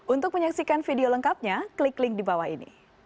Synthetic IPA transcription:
ʔunt̪ʊk̚məɲaksikanfideoləŋkap̚ɲakliklɪŋdibawahḭnḭ

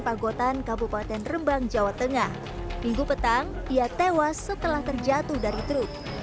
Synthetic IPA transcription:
paɡot̪ankabupat̪ɛnrəmbaŋd͡ʒawat̪əŋah | miŋɡupət̪aŋ | ʔiat̪ewasːət̪əlaht̪ərd͡ʒat̪ʊhdaɾit̪ɾʊp̚

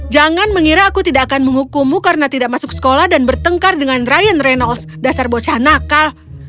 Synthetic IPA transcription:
d͡ʒaŋanməŋiɾaːkut̪idaʔakanməŋukumukaɾənat̪idak̚masʊksə̥kolahdanbərt̪əŋkardəŋanrajənrɛnɔls | dasarbot͡ʃahnakal

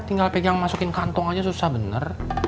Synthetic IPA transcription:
t̪iŋɡalpeɡaŋmasukɪnkant̪ɔŋad͡ʒasusahbənə̰r

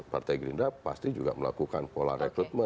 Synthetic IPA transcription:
part̪ajɡɾindapa̰st̪id͡ʒuɡa̰məlakukanpola̰rekɾut̪̚mə

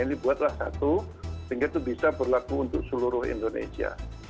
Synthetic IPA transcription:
inibuat̪̚lahsa̰t̪usiŋɡat̪ubisabərlakuːnt̪ʊk̚səluɾʊhḭnd̪onḛsia̰

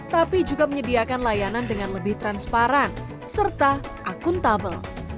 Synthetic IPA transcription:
t̪apid͡ʒuɡaməɲədiakanlajanandəŋanləbɪht̪ɾanspaɾan | sərt̪a | ʔakʊnt̪abəl

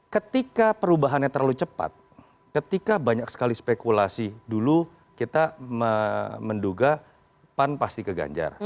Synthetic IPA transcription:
kət̪ikapəɾubaɦanɲat̪ərlalut͡ʃəpa̰t̪̚ | kət̪ikabaɲaksə̥kalispekulasidulu | kit̪aməmənduɡa | panpast̪ikəɡa̰ɲd͡ʒa̰r

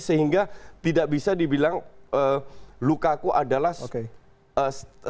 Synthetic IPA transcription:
səɦiŋɡat̪idaʔbisadibilaŋəːlukakuʔadalahke | ə

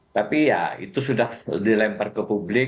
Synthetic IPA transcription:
t̪apija̰ḭt̪usudahdilɛmpərkəpublɪ

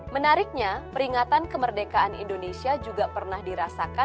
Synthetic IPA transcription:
mənaɾɪk̚ɲapəɾiŋat̪ankəmərdekaʔanḭndonesiad͡ʒuɡapərnahdiɾasaka

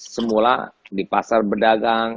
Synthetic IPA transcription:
səmula̰dipasarbədaɡaŋ

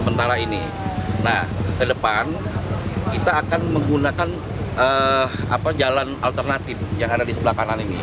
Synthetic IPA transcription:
əmənt̪aɾainḭ | nahkədəpan | kit̪aːkanməŋɡunakan | əa̰pad͡ʒalanalt̪ərnat̪ɪfjaŋadadisəblahkananinḭ

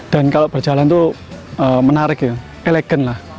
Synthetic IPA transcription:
d̥a̤nkaloʔb̥ərd͡ʒalant̪u | əmənaɾɪkjə | elɛɡ̥ənlah

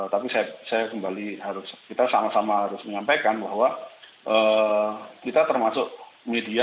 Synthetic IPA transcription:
t̪apisajasajakəmbaliɦaɾʊskit̪asamasamaɦaɾʊsməɲampajkanbaɦwa | ʔə | kit̪at̪ərmasʊʔ̚media

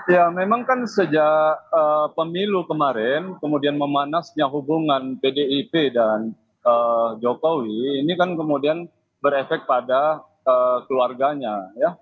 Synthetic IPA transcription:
jamemaŋkansəd͡ʒaəpəmilukəmaɾɛnkəmudianməmanasɲaɦubuŋanpedeipedan | əːd͡ʒokowiːnikankəmudian | bəɾefɛk̪̚pada | əːkəluarɡaɲaja

